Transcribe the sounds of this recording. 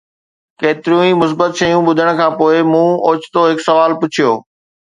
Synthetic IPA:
keːt̪ɪɾijũimʊs̬bət̪ʃɐjũɓʊd̪ʱəɽ̃̆kʰãːpoːɪmũːoːt͡ɕʰt̪oɦɪksɐʋaːlpʊt͡ɕʰijoː

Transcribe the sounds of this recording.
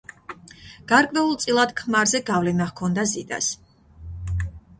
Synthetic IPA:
ɡ̥aɾkʼvɛulˠt̪sʼilˠad̪̥kʰmaɾzɛɡavlinaχkʰɔnd̪azid̪a̰s

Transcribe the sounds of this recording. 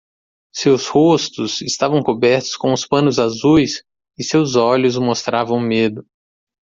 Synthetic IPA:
sewshost̪ʊsɪst̪avɐ̃w̃kobɛɾt̪ʊ̥skõʊspɐ̃nʊzazujs | ɪsewzɔʎʊzmost̪ɾavɐ̃w̃med̪ʊ

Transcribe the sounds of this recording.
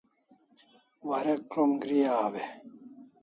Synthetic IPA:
wɐɾekɾomɡɾijaːwe

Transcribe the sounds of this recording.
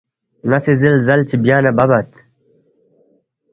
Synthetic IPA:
nɐsezilzɐlt͡ɕibjaːnɐbɐbɐt̪

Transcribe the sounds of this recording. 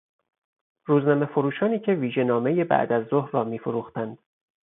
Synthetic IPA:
ɾuːznɒːme̞foɾuːʃɒːniːcʰe̞viːʒe̞nɒːme̞je̞bæ̰ʔd̪æzːohɾːɒːmiːfoɾuːxt̪ænd̪̥

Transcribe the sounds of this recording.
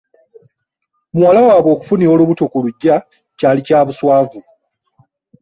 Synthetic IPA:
muwalawaːβwo̞ːku̥funio̞ːluβutokuluɟːa | caːlicaːβuswaːvu

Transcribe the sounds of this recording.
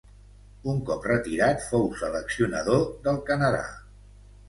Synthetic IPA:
uŋkɔprət̪iɾat̪fowsələksiunə̰ðoðəlˠkənəða̰

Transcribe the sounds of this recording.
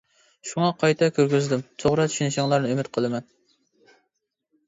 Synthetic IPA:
ʃuŋɑqʰɑjt̪ʰɑkʲʰøɾɡʲyzd̪ymt̪ʰoʁɾɑt͡ʃ̪ʰi̥ʃinɪʃɪŋlˠɑɾnɨymɪt̪̚qʰəlˠɨmɛn

